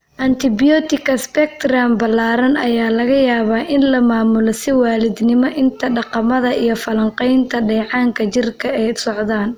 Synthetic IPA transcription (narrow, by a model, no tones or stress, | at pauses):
ʔɐnt̪ʰɪbɪjɔt̪ɪkʰɐspɛk̚t̪rambɐlːaːɾɐnɐjaːlɐɣɐjaːβaːʔɪnlɐmaːmʊlɔsɪwaːlɪd̪nɪmɔʔɪnt̪ʰɐɖɑqɑmɐðɐʔijɞfɐlɐɴqɛjnt̪ʰɐɖɛjʕɑːŋkʰɐt͡ʃɪrkʰɐɛjsɔʕðaːn